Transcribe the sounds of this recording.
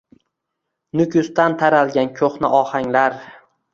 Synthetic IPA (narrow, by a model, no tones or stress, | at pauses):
nʊkʲʰʊst̪ant̪ʰaɾalˠɡʲankʲʰoχnɪ̰ʔɒhaŋlaɾ